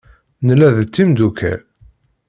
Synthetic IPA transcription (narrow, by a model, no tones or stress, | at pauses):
nəlːæðt͡sːimd̪ukʰæ̰